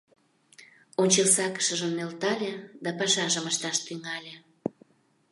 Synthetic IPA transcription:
onʲt͡ɕelsɑkə̥ʃəʒəmnelt̪ɑlʲed̪ɑpɑʃɑʒəməʃt̪ɑʃt̪yŋɑlʲe

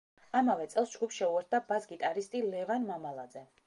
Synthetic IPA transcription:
amavɛt̪sʼɛlˠsd͡ʒɡupsʃɛuɛɾt̪̚ʰd̪abasɡit̪ʼaɾist̪ʼilɛvanmamalˠad̪zɛ

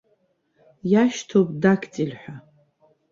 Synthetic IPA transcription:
jaʃtʰopʼdakʲʰt͡sʼilħʷᶣa

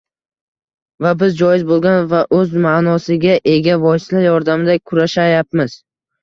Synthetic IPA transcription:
vabɪzd͡ʒɒjɪzbolˠɡʲanvaʔɵzmaːnɒsɪɡʲaʔe̞ɡʲavɒjɪslajɒɾd̪amɪd̪akʲʰʊɾaʃajap̚mɪz̥

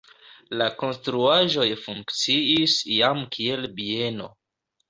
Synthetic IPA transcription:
lako̞nstɾuaʒo̞jfuŋkkt͡siisjamkʰie̞lbie̞no̞̰

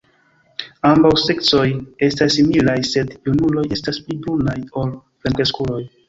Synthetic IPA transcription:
ambawse̞kt͡so̞je̞stasːimilajse̞djunulo̞je̞stasplibonajo̞l | plemkeskulo̞j

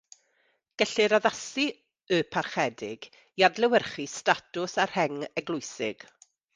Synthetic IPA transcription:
ɡ̥ɛɬɪɾɔðasi | ɨpʰarχɛdɪɡ | jadlɛwərχistatʊsarhɛŋɛɡlˠʊjsɪ̰ɡ̥

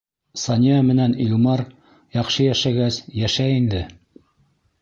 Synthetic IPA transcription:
sɑnʲjɑmɘ̆nænilmɑɾ | jɑqʃɤjæʃæɡæsjæʃæind̪ɘ

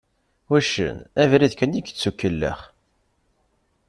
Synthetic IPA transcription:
wæʃə̰nævɾiðkəniɡt͡sːukːəlːə̰χ

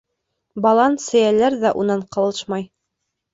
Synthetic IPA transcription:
bɑlˠɑnsɘ̆jælæɾðæʔunɑɴqɤ̆lˠɤʃmɑj

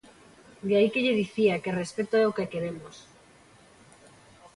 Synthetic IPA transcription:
d̪eaikeʎeðiθiakerespet̪oɛokekeɾemos

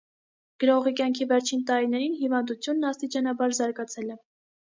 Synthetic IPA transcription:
ɡ̥əɾɔʁikjɑŋkʰivɛɾt͡ʃʰint̪ɑɾinɛɾinɦivɑnd̪ut͡sʰjunːɑst̪it͡ʃɑnɑbɑɾzɑɾɡɑt͡sʰɛlɛ

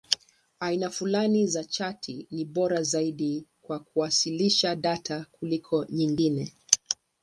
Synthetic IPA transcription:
ainafulanizat͡ʃatʰiniɓɔɾazaiɗikwakuwasiliʃaɗatʰakulikʰɔɲiŋɡinɛ

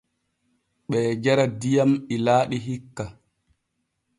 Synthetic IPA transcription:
ɓɛːd͡ʒaɾadijamilaːɗiɦikːa

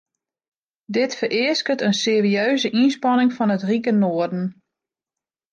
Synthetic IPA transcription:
dɪtfərɪəskətənseːriøɥzəʔinspɑnɪŋfɔnətrikənoːərdn̩

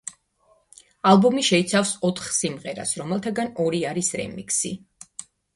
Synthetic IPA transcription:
alˠbɔmiʃɛit̪sʰafsɔt̪ʰχsimʁɛɾa̰sɾɔmɛlˠt̪ʰaɡanɔɾiaɾisɾɛ̰mḭkʰsi

